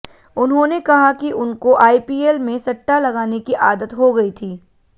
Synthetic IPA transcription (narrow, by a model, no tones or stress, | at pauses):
ʊnɦõnekɐɦakiʔʊnkoʔaːipiːeːlmẽsɐʈːalɐɡaːnekiʔaːd̪ət̪ɦoɡɐit̪ʰiː